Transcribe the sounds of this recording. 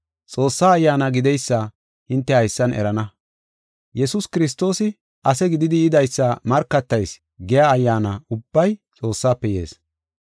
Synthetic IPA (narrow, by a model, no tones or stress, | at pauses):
t͡sʼo̞ːsːaːjːaːnɐɡɪd̪ɛjsːɐ | hɪnt̪ːɛhɐjsːɐnɛ̰ɾɐnɐ | jɛsʊskɪɾɪs̬t̪ːo̞ːsɪ | ʔɐsɛɡɪd̪ɪd̪ɪɪd̪ɐjsːɐmɐɾkːɐt̪ːɐjs | ɡɛjaːjːaːnɐʊbːɐjt͡sʼo̞ːsːaːpːɛjḛːs